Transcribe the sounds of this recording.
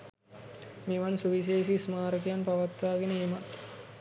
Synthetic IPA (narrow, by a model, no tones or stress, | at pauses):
miʋansuʋis̬eːsismaːɾək̬ijanpaʋat̪ʋaːɡenəemat̪